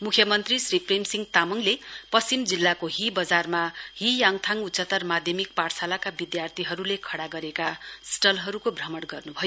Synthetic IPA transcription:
mukʰjʌmʌnt̪risripʰremsiŋɡt̪amʌŋlepʌst͡simd͡zilːakoɦibʌd͡zarmaɦijaŋt̪ʰaŋutːt͡sʌt̪ʌrmad̪ʱjʌmik̚paɽsalakabid̪jart̪ʰiɦʌɾulekʰʌɽaɡʌɾekasʈʌlɦʌɾukobʱrʌmʌɽɡʌrnubʱʌjo

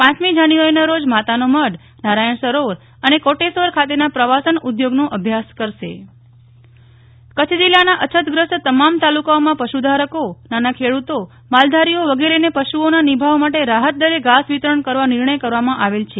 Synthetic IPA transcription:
pãt͡ʃmid͡ʒanuʋaɾinaɾod͡ʒmat̪anoməɽ | naɾajəɳsəɾoɾ | ənekoʈesoɾkʰat̪enapɾəʋasənud̪joɡnõʔəbʱjaskəɾʃe | kət͡ʃʰd͡ʒilːanaʔət͡ʃʰət̪ɡɾəst̪əmamt̪alukaomãpəʃud̪ʱaɾəkonanakʰeɽut̪o | mald̪ʱaɾioʋəɡeɾenepəʃuonanibʱaʋmaʈeɾaɦət̪̚d̪əɾeɡasʋit̪ɾəɳkəɾʋanɪɾɳəjkəɾʋamãʔaʋelt͡ʃʰe

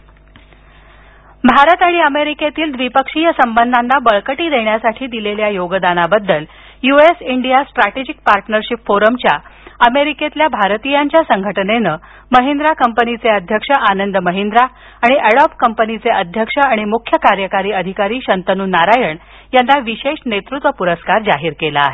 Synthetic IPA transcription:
bʱaɾət̪aɽ̃iəmeɾiket̪iːld̪ʋipəkʂijəsəmbənd̪ʱanːʱabəɭkəʈiːd̪eɳjasaʈʰiːd̪ileljajoɡəd̪anabəd̪ːəl | juesiɳɖijasʈɾaʈed͡ʑik̚paɾʈnəɾɕipfoɾəmt͡ɕjaəmeɾiket̪ljabʱaɾt̪ijaɲt͡ɕjasəŋɡʱəʈənenəː | məɦend̪ɾakəmpənit͡seəd̪ʱjəkʂəʔanənd̪əməɦind̪ɾa | aɽ̃iʔeɽɔpkəmpənit͡seʔəd̪ʱjəkʂəaɽ̃imukʰjəkaɾjəkaɾiːəd̪ʱikaɾiːɕənt̪ənuːnaɾajəɳ | janːaʋiɕeʂnet̪ɾut̪ʋəpuɾəskaɾd͡zaɦiːɾkela̰ːɦe

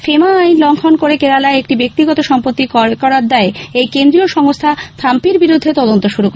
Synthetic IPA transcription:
femaajnlɔŋkʰonkoɾekeɾalaeek̚ʈibek̚t̪iɡɔt̪oʃɔmpot̪ːikɔɾad̪ɛeejkend̪ɾioʃɔŋost̪ʰat̪ʰampiɾbiɾud̪ʱːet̪ɔd̪ont̪oʃuɾukɔ

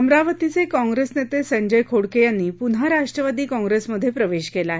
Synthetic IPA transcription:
əmɾaʋət̪it͡sekɔ̃ŋɡɾesnet̪esə̃ɲd͡ʑəjkʰoɽkejanːiːpunɦaɾaʂʈɾəʋad̪iːkɔ̃ŋɡɾesməd̪ʱːjepɾəʋeɕkelaɦe

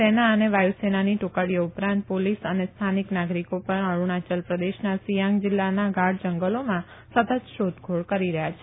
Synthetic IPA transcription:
senaəneʋajusenaniʈukaɽijoupɾãnt̪̚polisənest̪ʰaniknaɡɾikopəɳəɭuɳ̃at͡ʃəlpɾəd̪eʃnasijãŋɡd͡ʒɪlːanaɡaɽ̚d͡ʒəŋɡəlomã | sət̪əd͡ʒʃod̪ɡʱoɭkəɾiɾəɦjat͡ʃʰe

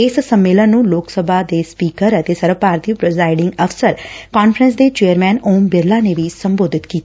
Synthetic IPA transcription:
ɪssəmːeːlənːũːloːksəbʱaːd̪eːspiːkəɾət̪eːsəɾəpaːɾt̪iupɾəzaːɪɖɪŋɡəfsəɾkaːnpʰəɾə̃nsd̪eːt͡ʃeːəɾmɛːnoːmbɪɾlaːneːʋiːsəmboːd̪ʱɪt̪kiːt̪a

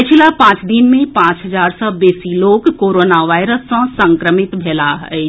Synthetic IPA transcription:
ət͡ʃʰilapãːt͡ʃd̪ɪnmẽpãːt͡ʃɦəzaːɾsɔbeːsiloːɡkːoːɾoːnaʋaːɪɾəsːɔ̃sə̃ŋkɾəmɪt̪bʱɛːlaɦɛ

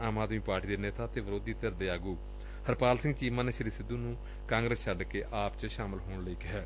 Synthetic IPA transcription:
aːmaːd̪miːpaːɾʈiːd̪eːneːt̪aːt̪eːʋəɾoːd̪iːt̪əɾd̪eːaːɡuː | həɾpaːlsɪ̃ŋɡt͡ʃiːmaːneːʃəɾiːsɪd̪ːuːnũː | kãːŋɡɾəst͡ʃʰəɖkeːʔaːpt͡ʃʃaːmɪlɦoːɳləiːkɪɦɛː

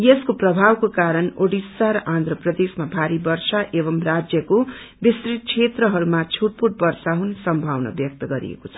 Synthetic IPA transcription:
jeskoprʌbʱawkokaɾʌnoɽisːaɾʌʔãnd̪ɾʌprʌd̪esmabʱaɾibʌrsaʔebʌmrad͡zjʌko | bisrit̪̚kʰet̪rʌɦʌɾumat͡sʰuʈ̚puʈ̚bʌrsaɦunsʌmbʱawnʌ̰bjʌk̚t̪ʌɡʌɾḭḛkot͡sʰʌ̥

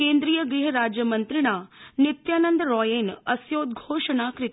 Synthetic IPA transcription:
kẽːnd̪ɾijəɡɾiɦəɾaːd͡ʒjəmɐnt̪ɾiɽ̃aːnɪt̪jaːnənd̪ɾɔːjeːnɐsjoːd̪ɡʱoːʂɐɳ̃aːkɾɪt̪

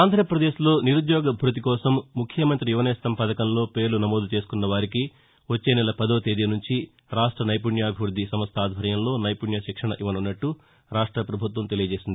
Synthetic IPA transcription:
aːnd̪ʱɾɐpɾɐd̪eːʃlo̞ːniɾud̪jɔːɡɐbʱuɾɐt̪̬ikɔːsɐmːukʰjɐmɐnt̪ɾijuʋɐnɛːssɐmpɐd̪ɐkɐnlo̞ːpe̞ːɾlunɐmoːd̪ut͡ʃe̞ːsu̥kunːɐʋaːɾiki | ʋot͡ʃːe̞ːnɛlɐpɐd̪oːt̪eːd̪iɐnuɲt͡ʃi | ɾaːʂʈɾɐnɐjp̬uɳjaːbʱiʋɾud̪ʱːisɐmɐst̪ʰaːd̪ʱɐɾjɐmlo̞ːnɐjpuɳjɐʃikʂɐɳɐʔiʋɐnunːɐʈːu | ɾaːʂʈɾɐpɾɐbʱut̪ʋɐmt̪e̞lijɐd͡ʒe̞ːsind̪i

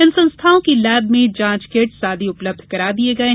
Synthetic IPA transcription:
ɪnsɐ̃nst̪ʰaːõkilɛːbmẽd͡ʒãːt͡ʃkeːʈsaːd̪ʱiʊpləb̚d̪ʱkɐɾaːd̪ieɡɐe

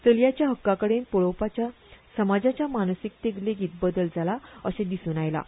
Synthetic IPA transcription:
t͡səljat͡ɕjaɦəkːakəɽenpoɭowpat͡ɕja | səmad͡zat͡ɕjamansik̚t̪eɡleɡiːt̪̚bəd̪əld͡zʱalaəsẽd̪isuːnajla̰

